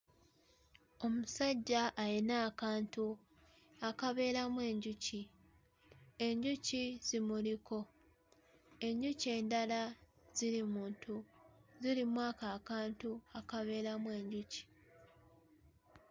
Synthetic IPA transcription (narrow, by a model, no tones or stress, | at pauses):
o̞musaɟːaʔːjinaːkaːntu | akaβe̞ːɾamwe̞ːɲɟuci | e̞ɲɟuciz̥imuliko̞ | e̞ɲɟuce̞ːndala | z̥iɾimuːntʰuzilimwaːkaːkaːntuakaβe̞ːɾamwe̞ːɲɟuci̥